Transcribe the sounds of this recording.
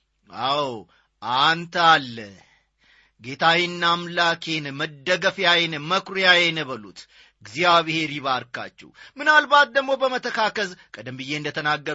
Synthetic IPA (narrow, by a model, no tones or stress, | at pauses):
aw | ʔant̪ʰəalːə | ɡet̪ʰawinːamlakʰenməd̪ːəɡəfjajenməkɾojajenəβəlut̪ | ɨɡzijaβɨhe̞ɾiβaɾka̰t͡ʃːɛ̰wmɨnalbat̪̚d̪əɡmo̞bəmət̪ʰəkʰakəzkʰʼəd̪əmbɨje̞ɨnd̪ət̪ʰənaɡːə